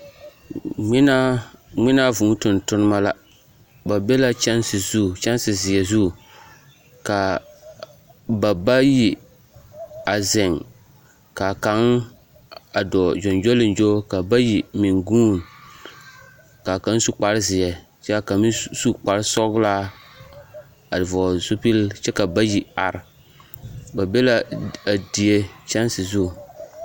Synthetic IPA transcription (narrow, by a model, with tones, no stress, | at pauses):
na˦ŋɪ˦na˦vʊ˨˦tʊ˨ntʊ˦nɨ˦ma˦la˦ | ba˨be˦la˦t͡ʃɛ˦nsɪ˨zu˦˨t͡ʃɛ˦nsɪ˨zɪ˨jɛ˨zu˦˨ | ka˨ | ba˨ba˦ji˨ | a˨zɪ˨ŋ | ka˨ka˦n | a˨dɔ˨d͡ʒɔ˨nd͡ʒo˦lɪ˨nd͡ʒo˦ka˨ba˦ji˨mɪ˨ŋɡuː˦˨n | ka˨ka˨˦n˦su˦k͡pa˨ɾɪ˦zɪ˨ɛ˨ | t͡ʃɛ˦a˨ka˨mi˦su˦k͡pa˨ɾɪ˦sɔ˦ɡla˦ | a˨dɪ˨vɔː˨zu˦pi˦lt͡ʃɛ˦ka˨ba˦ji˨a̰˨ɾ | ba˨be˦la˦a˨di˨e˦t͡ʃɛ˦nsɪ˨zu˦˨